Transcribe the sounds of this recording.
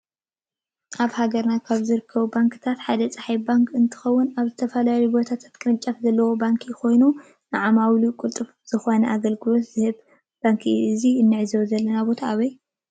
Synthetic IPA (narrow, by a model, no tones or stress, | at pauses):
ʔaβhaɡɐɾnakʰaβzɨɾɨkʰːɐβubaŋkʰɨt̪ʰat̪ħad̪ɐt͡sʼaħajbaŋkʰɨnt̪ʰɨ̥xɐwːʊnaβzɨt̪ʰɐfɐlaljubo̞t̪ʰat̪ʰḁt̪kʼɨnɨt͡ʃʼːɐfzɐlːɐwo̞baŋkʰijɪxʰo̞jnu | nɨʕamawlukʼult̪ʼɨf | z̥ɨxo̞nɐʔaɡɐlɡɨlo̞t̪zɨhɨβ | b̥aŋkʰiɨziɨnːɨʕzɐwzɐlːɐnabo̞t̪ʰaːβɐj